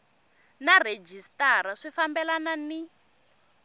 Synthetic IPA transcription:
nared͡ʒistaɾaʂifambɛlanani

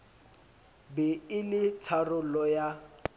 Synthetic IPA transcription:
bɛɪlɪtʰarʊlɔja

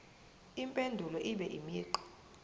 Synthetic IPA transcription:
impʼendʱulɔʔiɓɛʔimiːǃɔ̥

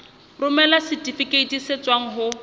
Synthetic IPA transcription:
rʊmɛlasɪtʼifikʼeitiset͡swaŋ̩ɦʊ

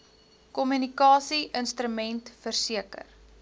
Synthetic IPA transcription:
kɔmynikɑːsiʔənstɾəmɛntfərsiəkə̰r

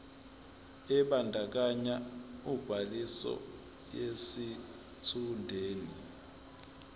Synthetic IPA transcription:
ɛɓandʱak̬aɲaub̥ʱalisɔ̰ | jesi | tʰundʱeːni

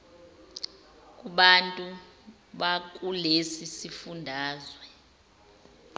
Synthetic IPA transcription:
k̬ʼuɓantʼu | ɓak̬ʼulesisifundʱaːzwɛ

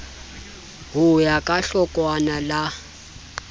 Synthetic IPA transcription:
ɣujakʼaɬɔkʼwanala

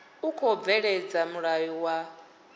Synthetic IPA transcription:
ukʰɔb̪vɛɺɛd͡zamuɺajɔwa

